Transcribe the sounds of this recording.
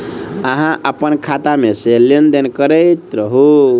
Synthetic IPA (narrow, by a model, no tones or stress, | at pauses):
əɦãʔəpənkʰat̪ameselend̪enkəɾəjt̪ɾəɦu